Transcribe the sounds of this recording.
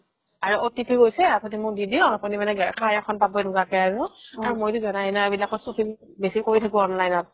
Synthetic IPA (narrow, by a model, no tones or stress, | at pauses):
aɹuotipʰiɡojsɛapʰɔtimʊɹdidiɔapɔnimanɛkʰajakʰɔnpabɔjduɡakɛaɹuaɹumojtʊzɔnajnaebilakɔsupʰi | besikoɹitʰakʊɔnlajnɔt̚